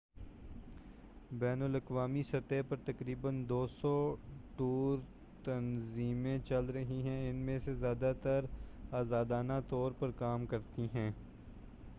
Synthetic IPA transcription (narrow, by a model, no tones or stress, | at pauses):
bɛːnəlɐkʋaːmisɐt̪epɐɾt̪ɐkɾiːbənd̪oːsɔːʈuːɾ | t̪ɐnziːmẽt͡ʃɐlɾɐɦiɦɛ̃ɪnmẽsezjaːd̪at̪ɐɾaːzaːd̪aːnat̪ɔːɾpɐɾkaːmkɐɾt̪iɦɛ̃ː